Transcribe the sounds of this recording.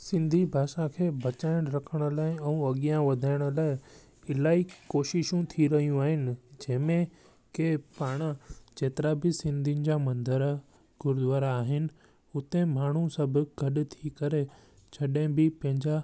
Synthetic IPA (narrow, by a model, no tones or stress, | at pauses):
sɪ̃nd̪ʱibʱaːʃãkʰeːbɐt͡ɕaːɪɽ̃ɾɐkʰəɽ̃ʊ̆laːɪɛ̃ũɐɠijãʋɐd̪ʱaːɪɽ̃ʊlaːɪ | ɪlaːikoːʃɪʃũt̪ʰiɾɐɦijũaːɦɪnɪ̆d͡ʑɐ̃ɦmẽ | kepaːɽ̃ãd͡ʑeːt̪ɪɾabɪsɪ̃nd̪ʱinɪ̆d͡ʑamɐ̃nd̪əɾ | ɡʊɾʊd̪ʋaːɾaːɦɪnɪ̆ | ʊt̪ẽmaːɳ̤ũsɐbʱʊ̆ɡʱɐɗʊt̪ʰikɐɾet͡ɕʰɐɗẽbɪpɐ̃ɦɪ̃ɲd͡ʑa